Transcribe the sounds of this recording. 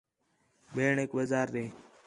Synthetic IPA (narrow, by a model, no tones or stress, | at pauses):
beːɳeːkʋəzaːɾd̪eː